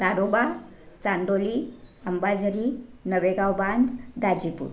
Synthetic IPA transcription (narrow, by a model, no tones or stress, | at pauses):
t̪aɽobat͡saɳɖoliəmbad͡zəɾinəʋeɡawband̪d̪ad͡ʑipṵɾ